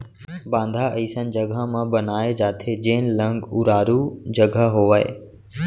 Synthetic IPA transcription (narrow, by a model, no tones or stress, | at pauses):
bãːnd̪ʱaiːsə̃nd͡ʒɐɡʱamãbɐnaːed͡ʒaːt̪ʰed͡ʑeːnlə̃ŋɡʊɾaːɾud͡ʑɐɡʱəɦoːʋaːḛː